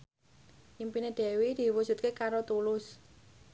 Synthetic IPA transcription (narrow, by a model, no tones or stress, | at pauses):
jimpined̪̥ɛ̤wid̪̥i̤wu̥ʒ̥ṳt̪̚kekaɾot̪ulʊs